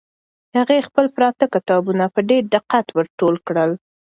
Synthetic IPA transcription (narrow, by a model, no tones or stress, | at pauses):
haɣexpəlpɾɑt̪əkɪt̪ɑbunapəɖeɾɖɪqat̪wəɾʈolkɽəl